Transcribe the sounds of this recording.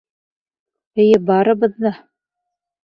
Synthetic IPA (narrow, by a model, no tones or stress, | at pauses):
ɘ̆jɘbɑɾɤ̆βɤ̆ðːɤ